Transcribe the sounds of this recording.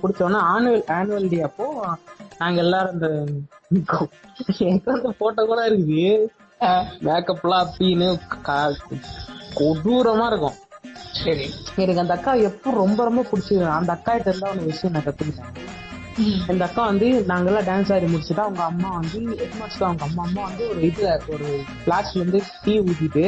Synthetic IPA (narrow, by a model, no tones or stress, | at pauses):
pʊɽɪt͡ʃːõːnːaːaːnɐlaːnʋɐlʈiɐpːoːnaːŋɡɐɛlːaːɾɐnd̪ɐ | kː | ɛnɐkːɯʋɐnd̪ɯpoːʈːɐkuːɽaːɪɾɯkːɯðɯ | meːkːɐpːlaːɐpːinɯka | kɔɽuɾɐmaːɪɾɯkːʊ̰̃ | sɐɾiɪnɐkːɐnd̪ɐɐkːaːɛpːɔ̃ɾɔmbɐɾɔmbɐpʊɽɪt͡ʃːɯɾãɐnd̪ɐɐkːaːɪʈːɐɾɯnd̪aːɔnɐkʋɛt͡ʃːɪ̃nɐkɐt̪ːɯkːɪʈːãː | ɛnd̪ɐɐkːãʋɐnd̪ɯnaːŋɡɐlːãːɖaːns̬aːɾimʊɽɪt͡ʃːɯʈːãːɐʋɐŋɡɐɐmːaːʋɐnd̪ɯɛʈmaːskaːɐʋɐŋɡɐɐmːaːɐmːaːʋɐnd̪ɯɔɾɯɐɪðɯlɐɔɾɯflaːsʋɐnd̪ɯʈiːuðɪɪʈːɯ